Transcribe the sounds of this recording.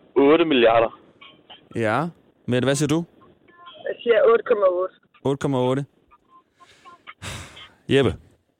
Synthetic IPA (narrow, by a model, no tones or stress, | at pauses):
ɔːɾəmiljɑɾɐ | jæ | medʋæsiːɐdu | jæsiɐɔːɾəkʰɔmæoːɾ̥ə | ɔ̽ːɾəkʰɒmæɔːɾə | jeb̥ə